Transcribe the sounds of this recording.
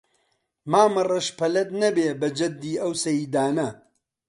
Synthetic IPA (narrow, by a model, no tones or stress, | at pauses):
maːmɐrɐʃpʰɐlɐt̪nɐbeːbɐd͡ʒɐd̪ːiːɐwsɐjiːd̪aːnɐ